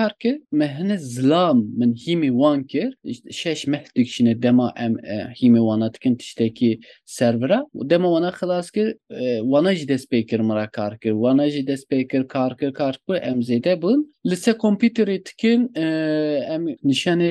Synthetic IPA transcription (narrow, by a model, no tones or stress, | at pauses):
ɑːɾkɨɾmɛɦɨnɨzɨlɑːmːɨnhiːmewɑːnkɨɾʃɛʃmɛhd̪̥ɨkʃinɛd̪ɛmɑʔɛmhiːmewɑːnɑːd̪ɨ̥kɨnt̪ʰɨ̥ʃt̪ɛkisɛɾvɨɾɑːd̪ɛmɑwɑːnɑːxɨlɑːskɨɾwɑːnɑːʒid̪ɛst̪̚peːkɨɾmɨɾɑkʰɑːɾkɨɾwɑːnɑːʒid̪ɛspeːkɨɾkʰɑːɾkɨɾkʰɑːɾkuʔɛmzeːd̪ɛbunlɨsɛkʰompjuːt̪eɾed̪ɨ̥kɨn | ɛmnɨʃɑːne